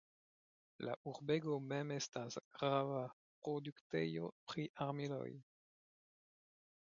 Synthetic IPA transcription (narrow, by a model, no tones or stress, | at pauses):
la̰ʔuɾbe̞ɡome̞me̞stasɡ̥ɾava | pʁoduktḛjo̞̰pɾiʔaɾmilo̞̰j